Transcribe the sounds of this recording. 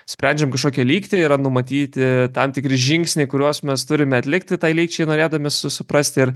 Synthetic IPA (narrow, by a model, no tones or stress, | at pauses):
sʲpʲɾʲɛnʲd͡ʒʲɛmkɐʃkoːkʲiɛlʲiːkt̪ʲɪɪɾɐnʊmɐt̪ʲiːt̪ʲɪt̪ɐmt̪ʲɪkɾʲɪʒʲɪŋksʲnʲeɪkʊɾʲuɔsmʲɛst̪ʊɾʲɪmʲɛɐt̪ʲlʲɪkt̪ʲɪt̪ɐɪlʲiːk̚t͡ʃʲɛɪnoːɾʲeːd̪ɐmʲɛsʊsʊpɾɐsʲt̪ʲɪɪɾ